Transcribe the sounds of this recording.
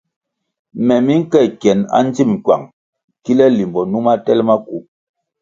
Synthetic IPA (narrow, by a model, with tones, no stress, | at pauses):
mɛ˨mi˦ŋ̩˦kɛ˦˨kɛ˨na̰˦n̩˦d͡zi˦m˨ŋ̩˨kwa̰˨ŋ | ki˦lɛ˦li˨mbɔ˨nu˦ma˦tɛ˦lma˦ku˨˦